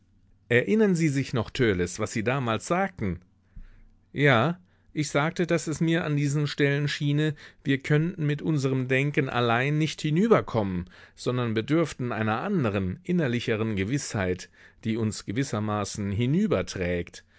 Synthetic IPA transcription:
ʔɛɐʔɪnɐnziːzɪçnɔχtʰøːləsv̥asz̥iːdaːmaːlsz̥aːk̚tn̩ | jaː | ʔɪçz̥aːk̚tədasɛsmiːɐʔandiːzn̩ʃtɛlənʃiːnəviːɐkʰœntn̩mɪtʔʊnzəʁəmdɛŋkənʔa̰laɪnːɪçthɪnyːbɐkʰɔmənz̥ɔndɐnbiəɐdʏɐftn̩ʔa̰ɪnɐʔandəʁ̞ənʔɪnɐlɪçəʁ̞ənɡəvɪshaɪtd̥iːʊnsɡ̥əvɪsɐmaːsn̩ɦɪnyːbɐtʁ̥ɛːkt

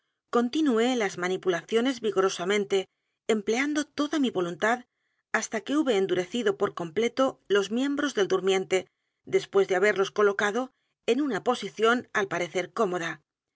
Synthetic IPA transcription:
ko̞nt̪inue̞lazmanipulaθjo̞ne̞zβiɣo̞ɾo̞samẽ̞nt̪e̞ː | mpleand̪o̞t̪o̞ðamiβo̞lunt̪að | ast̪ake̞uβe̞ːnd̪uɾe̞θiðo̞po̞ɾko̞mple̞t̪o̞lo̞zmjẽ̞mbɾo̞zðe̞ld̪uɾmjẽ̞nt̪e̞ | d̪e̞spwe̞zðeaβe̞ɾlo̞sko̞lo̞kað̞o̞ | enunapo̞siθjo̞nalpaɾe̞θe̞ɾko̞mo̞ð̞a

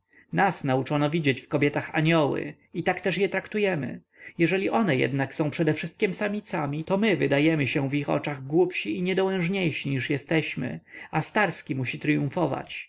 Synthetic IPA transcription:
nasnaut͡ʂɔnɔvʲid͡ʑet͡ɕfkɔbʲjɛt̪axa̰ɲɔwɘ̰ | it̪akt̪ɛʂjɛt̪ɾakt̪ujɛmɘ̰ | jɛʐɛlʲiʔɔnɛjɛ̰d̪naksɔ̃w̃pʂɛd̪ɛfʂɘst̪̚kʲimsamʲit̪samʲit̪ɔmɘvɘd̪ajɛmɘɕɛvixɔ̰t͡ʂaɣɡwupɕiiɲɛd̪ɔwɛ̃ʐɲejʂiɲiʂjɛst̪ɛɕmɘ̰ast̪aɾskʲimuɕit̪ɾɘjũfɔva̰t͡ɕ

